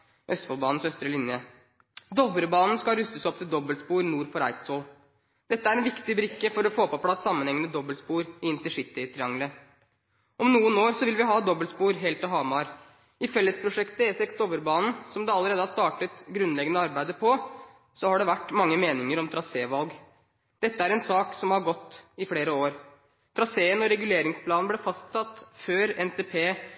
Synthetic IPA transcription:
ʔœst̪fɔlbɑːnn̩sœst̪ɾəlɪnjə | d̪ɔbəɾbɑːnn̩skɑlɾʉst̪əsɔp̚t̪ʰɪld̪ɔbəlspuːɾnuːɾfɔɾæ̰ɪt̪soːl | d̪ɛt̪ːəæɾɛnʋɪkt̪ɪbɾɪkːəfɔɾɔfoːpɔpʰlɑsːɑmːənhɛŋːənəd̪ɔbəlspuːɾɪɪnt̪əʂɪt̪ːɪɪt̪ʰɾɪɑŋlə | ʔɔmnuːənoːɾsɔʋɪlʋɪɦɑːd̪ɔbːəlspuːɾɦɛːlt̪ɪɦɑːmɑɾ | ɪfɛlːəspʰɾʊʂɛkt̪əɛːsɛksd̪oːʋəɾbɑːnn̩sɔmd̪ɛɑləɾeːd̪əhɑʂt̪ɑːʈət̪ɡɾʉnlɛɡənəɑɾbæɪd̪əpʰɔ | sɔhɑɖɛʋæʈːmɑŋːəmeːnɪŋəɾɔmt̪ʰɾɑseːʋɑlɡ | d̪̥ɛt̪ːəæɾɛnsɑːksɔmhɑɾɡɔt̪ːɪfleːɾəoːɾ | t̪ʰɾɑseːənɔɾɛɡʉleːɾɪŋspʰlɑːnnəblɛfɑst̪sɑt̪ːføːɾɛnt̪ʰeːpʰeː

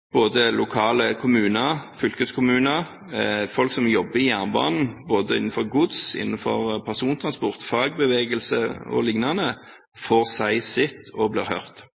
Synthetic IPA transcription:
b̥oːd̪əlʔʊkʰɑːləkʰʊmʉːnəɾfʏlkəskʰʊmʉːnəɾ | fɔlksɔmjɔbːəɪjæʁnbɑ̰ːnn̩boːd̪əɪ̰nn̩fɔʁɡʊd̪sɪ̰nːən̩fɔ̰ʁpʰæʁsuːnt̪ʰɾɑnspʊʁt̪fɑːɡ̚bəʋeːɡəlsə̰ɔ̰lɪŋnɑnə | foːʁsæɪsɪt̪ʰːɔbliːɾhœʁt̪

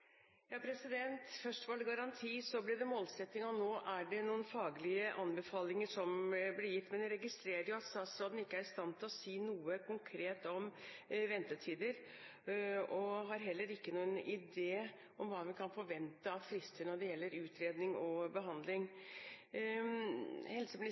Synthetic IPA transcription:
jɑːpʰɾɛsɪd̪ɛnt̪fœʂʈʋɑɖ̪ɛɡɑɾɑnt̪ʰiːsɔblɪd̪ɛmoːlsɛt̪ːɪŋɔnoːʔæɖɛnuːənfɑːɡəlɪəʔɑnbəfɑːlɪŋəʂɔmblɪjɪt̪ːmɛnd̪ɛɾɛɡɪst̪ɾeːɾəɾɪjʊɑt̪st̪ɑːt̪sɾoːd̪n̩ɪkːəæɾst̪ɑnt̪ʰɪlɔsiːnuːəkʰʊŋkʰɾeːt̪ɔmʋɛnt̪ət̪ʰiːd̪əɾ | ɔɦɑɾɦɛlːəɾɪkːənuːənɪd̪eː | ʔɔmʋɑːʋɪkʰɑnfɔɾʋɛnt̪əɑʋfɾɪst̪əɳɔɖɛjɛlːəɾʉːt̪ʰɾeːd̪nɪŋɔbəɦɑnd̪lɪŋ | hɛlsɔml

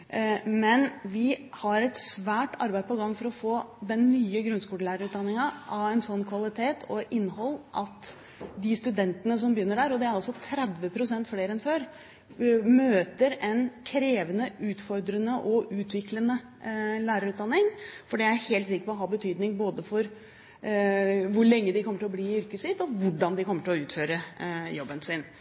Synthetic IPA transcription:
mɛnʋɪhɑɾɛt̪sʋæːʈɑ̰ɾbæɪəpɔɡɑŋːfɔɾɔfoːd̪ɛnːyːəɡɾʉnskuːləlæːɾəɾʉːt̪d̪ɑnːɪŋɑʔɑɛɪnsɔnːkʰʋɑlɪt̪ʰeːt̪ʰɔɪnːɦɔlːʔɑt̪ | d̪ɪst̪ʉd̪ɛnt̪ənəs̬ɔmbjʏnːəɖæɾɔd̪ɛæɾɑlsɔt̪ʰɾɛd̪ʋəpʰɾʊsɛnt̪fleːɾɛnføːɾ | møːt̪əɾɛnkʰɾeːʋənəʔʉːt̪fɔɾd̪ɾənəʔɔʔʉːt̪ʰʋɪklənə | læːɾəɾʉːt̪d̪ɑnːɪŋfɔɖiːææɾheːlt̪sɪkːəɾpɔɦɑːbət̪ʰyːd̪nɪŋboːd̪əfɔɾ | ʋʊɭɛŋːəd̪ɪkʰɔmːəʈʰɪlɔbliːɪʏɾkəsɪt̪ɔʋʊɖɑnd̪ɪkʰɔmːəʈɪlɔʉːt̪føːɾəjɔbːənsɪn

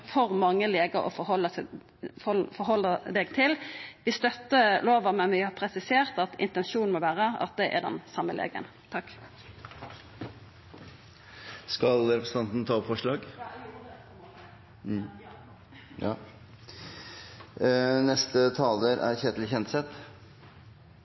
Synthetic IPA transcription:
fɔʁmɑŋːəleːɡəɾɔ̰fɔhɔlːə | fɔɾɦɔlːəd̪ɛːɡt̪ʰɪlʋɪst̪œt̪ːəloːʋəɑmɛnʋɪhɑːpʰɾɛsɪseːʁt̪ɑt̪ʰɪ̰nt̪ɛnʃuːn̩mɔʋæːʁəɑ̰t̪̚d̪ɛʔæ̰d̪ɛ̰nsɑmːəlḛːɡə̰n | t̪ʰɑkː | skɑlɾɛpɾəsn̩ɑnt̪n̩t̪ʰɑːɔpfɔʂɭɑːɡ | ɑ | nɛst̪ət̪ʰɑːləɾæ̰ɾçeːd̪lɪçɛnt̪sɛt̪

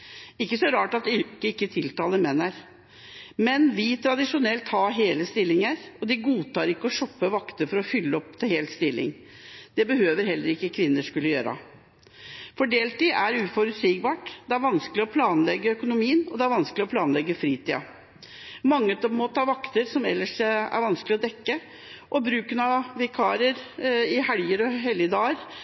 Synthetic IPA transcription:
ɪkːəsɔɾɑːʈɑt̪ʏkəɪkːət̪ʰɪlt̪ɑːləmɛnːæɾ | mɛnʋɪt̪ʰɾɑd̪ɪʂʊnɛlt̪hɑːɦeːləst̪ɪlːɪŋəɾɔd̪ɪɡuːt̪ɑːɾɪkːəɔʂɔpːəʋɑkt̪əɾfɔɾɔfʏlːəɔp̚t̪ʰɪlheːlt̪st̪ɪlːɪ̰ŋ | d̪̥ɛbəhøːʋəɾhɛlːəɾɪkːəkʰʋɪnːəʂkʉlːəjøːɾɑ̰ | fɔɖeːlt̪iʔæɾʉːfɔɾʉsiːk̚bɑːʈd̪ɛæɾʋɑnsklɪɔpʰlɑːnlɛɡːəœkʊnʊmiːənɔd̪ɛæɾʋɑnsklɪɔpʰlɑːnlɛɡːəfɾiːt̪iːɑ̰ | mɑŋːət̪mɔt̪ʰɑːʋɑkt̪əɾsɔmɛ̰lːəʂæ̰ɾʋɑnsklɪɔd̪ɛkːə | ʔɔbɾʉːkənɑʋɛkʰɑːɾəɾɪhæɽjəɾɔɦɛljəd̪ɑːɾ

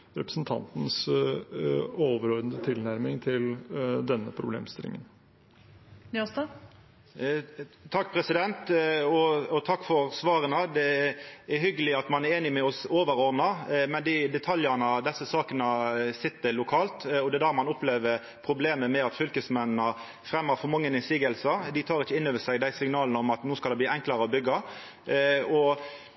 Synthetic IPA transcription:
ɾɛpɾəsn̩t̪ʰɑ̰nt̪n̩s | oːʋəɾɔɾd̪ənd̪ət̪ʰɪlnæɾmɪŋt̪ʰɪld̪ɛnːəpʰɾʊblḛːmst̪ɪlɪ̰ŋə̰n | nɔst̪ɑ | t̪ʰɑkːpʰɾɛsɪd̪ɛnt̪ɔɔt̪ʰɑkːfɔɾsʋɑːɾənəd̪ɛɛhʏɡəlɪɑt̪mɑnæɾeːnɪmɛɔsoːʋəɾɔɾd̪nɑmɛnd̪ɪd̪ɛt̪ʰɑljənɑd̪ɛsːəsɑːkənəsɪt̪ːəlʊkʰɑːlt̪ɔd̪ɛd̪æːɾmɑnʊpleːʋəɾ | pʰɾʊbleːməmɛɑt̪fʏlkəsmɛnnə | fɾɛmːəfɔɾmɑŋːənɪnsiːɡəlsəd̪ɪt̪ʰɑːɾɪçːəɪnːøːʋəsæɡd̪æɪsɪŋnɑːlənəɔmɑt̪nuːskɑlɛbliːɛŋklɑɾəɔbʏɡːɑ | ɔ

